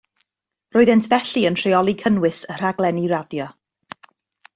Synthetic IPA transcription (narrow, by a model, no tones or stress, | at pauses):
roːɨðɛntʰvɛɬiəntʰr̥eɔlˠikʰənwɪsər̥aɡlˠɛniradjɔ